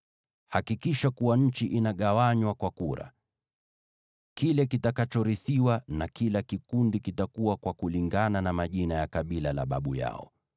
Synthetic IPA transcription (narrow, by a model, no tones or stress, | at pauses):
hakikiʃakuwaɲ̩t͡ʃiʔinaɠawaɲwakwakuɾa̰ | kilɛkitakat͡ʃɔɾiθiwanakilakikundikitakuwakwakuliŋɡananamaʄinajakaɓilala̰ɓa̰ɓuja̰ɔ̰